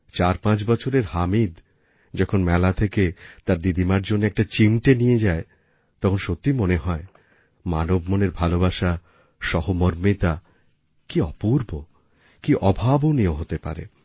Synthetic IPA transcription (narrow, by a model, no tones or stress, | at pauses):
t͡ɕaɾpãt͡ɕbɔt͡ɕʰoɾeɾhamid̪ | d͡ʑɔkʰonmɛlat̪ʰeket̪aɾd̪id̪imaɾd͡ʑonːeɛk̚ʈat͡ɕimʈenijed͡ʑae | t̪ɔkʰonʃot̪ːimoneɦɔe | manobmoneɾbʱalobaʃa | ʃɔhomoɾmit̪a | kiɔ̰puɾbo | kiʔɔbʱabonioɦot̪epa̰ɾḛ